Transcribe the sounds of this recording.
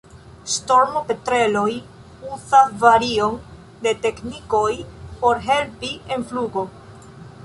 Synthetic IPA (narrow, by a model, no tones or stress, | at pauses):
sto̞ɾmope̞tɾe̞lo̞j | uzavaɾio̞n | de̞te̞kniko̞jpo̞ɾɦe̞lpie̞nfluɡo̞